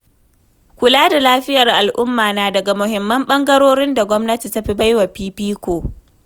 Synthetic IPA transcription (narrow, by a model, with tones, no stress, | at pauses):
kʷʊ˨laː˦da˨laː˦ɸɪ˦jɐ˨rʔa˨lʔʊ˦mːaː˨naː˨dɐ˨ɡa˨mʊ˨ɦɪ˨mːɐ˦mɓɐ˦ŋɡɐ˦ɾoː˦ɾɪ˦nda˨ɡʷɔ˦mnɐ˦ti˨ta˦ɸi˦ba˦jwa˨piː˦piː˦kʷoː˨